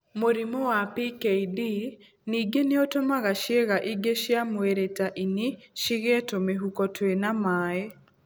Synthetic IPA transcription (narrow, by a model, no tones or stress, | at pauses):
moɾimɔwapikɛidi | niɡeneotomaɣaʃeɣaʔiɡeʃjamweɾetaʔiniʃiɣɛtomeɦukɔtwenamaːɛ